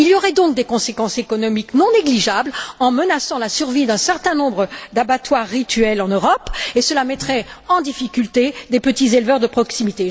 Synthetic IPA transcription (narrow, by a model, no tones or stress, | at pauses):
iljɔʁɛd̪ɔ̃k̚d̪ekɔ̃sekɑ̃sekɔnɔmiknɔ̃neɡliʒablɑ̃mənasɑ̃lasyʁvid̪ɛ̃sɛʁt̪ɛ̃nɔ̃bʁəd̪abat̪waʁːit̪ɥɛlɑ̃nøʁɔpesəlamɛt̪χɛɑ̃d̪ifikʲylt̪ed̪epət̪izelvœʁd̪əpχɔksimit̪e